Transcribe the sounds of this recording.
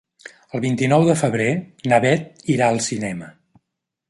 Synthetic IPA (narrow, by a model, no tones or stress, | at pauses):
əlˠβint̪inɔwðəfəβɾenəβɛt̪̚ | iɾaəlˠsinɛmə